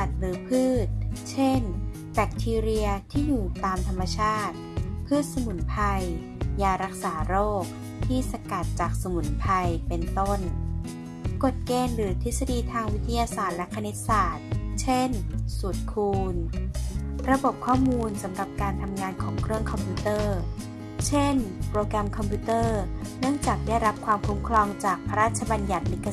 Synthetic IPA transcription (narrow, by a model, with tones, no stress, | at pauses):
a˨˩t̪̚ɾɯː˩˦pʰɯː˥˩t̪̚t͡ɕʰe˥˩n | bɛ˦˩k̚t̪ʰiː˧ɾi˧ɐt̪ʰiː˥˩juː˨˩t̪aː˧mt̪ʰa˧mːa˧t͡ɕʰaː˥˩t̪̚pʰɯː˥˩t̪̚sa˧mu˨˩˦npʰa˧j | jaː˧ɾa˦˥k̚saː˩˦ɾoː˥˩k̚ | t̪ʰiː˥˩sa˧ka˨˩t̪̚t͡ɕaː˨˩k̚sa˧mu˨˩˦npʰa˧jpe˧nt̪o˥˩n | ko˨˩t̪̚keː˧nɾɯː˩˦t̪ʰi˦˥sa˧diː˧t̪ʰaː˧ŋwi˦˥t̪ʰːa˧jaː˧saː˨˩t̪̚lɛ˦˥kʰːa˧ne˦˥t̪̚saː˨˩t̪̚t͡ɕʰe˥˩nsu˨˩t̪̚kʰuː˧n | ɾa˧bo˨˩p̚kʰɔː˥˩muː˧nsa˩˦mɾa˨˩p̚kaː˧nt̪ʰa˧mŋaː˧nkʰɔː˩˦ŋkʰɾɯ˥˩əŋkʰɔ˧mpʰju˦˥t̪ɤː˥˩ | t͡ɕʰe˥˩npɾoː˧kɾɛ˧mkʰɔ˧mpʰu˦˥t̪ɤː˥˩nɯ˥˩əŋt͡ɕaː˨˩k̚daː˥˩jɾa˦˥p̚kʰwaː˧mkʰu˦˥mkʰlɔː˧ŋt͡ɕaː˨˩k̚pʰa˧ɾaː˥˩t̪̚t͡ɕʰa˧ba˧nja˨˩t̪̚li˦˥kʰːa˧